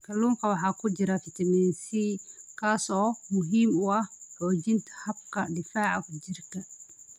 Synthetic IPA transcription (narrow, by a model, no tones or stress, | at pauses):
kʰɐluːŋkʰɐwɑħɑːkʰʊd͡ʒɪɾafɪt̪ʰɐmɛːnsikʰaːsɔːmʊɦiːmʊɐhħoːd͡ʒɪnt̪ʰɐ̥hɐb̚kɐdɪfaːʕakʊd͡ʒɪrkɐ